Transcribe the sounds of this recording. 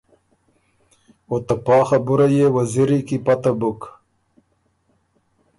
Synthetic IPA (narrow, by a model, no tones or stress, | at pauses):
ot̪apɑːxabuɾajewaziɾikipat̪abuk